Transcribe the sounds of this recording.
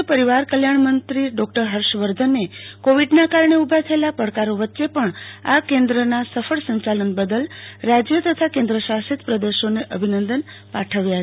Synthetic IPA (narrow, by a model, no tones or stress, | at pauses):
pəɾiʋaɾkəljaɳmənt̪ɾiɖɔk̚ʈəɾɦəɾʃʋəɾd̪ʱənːekoʋiɖnakaɾɳeubʱat̪ʰəelapəɽkaɾoʋətːʃepəɳakẽnd̪ɾənasəfʰəɭsə̃ɲt͡ʃalənbəd̪əlɾad͡ʒjət̪ət̪ʰakẽnd̪ɾəʃasit̪pɾəd̪eʃoneʔəbʱinənd̪ən | paʈʰəʋjaɦə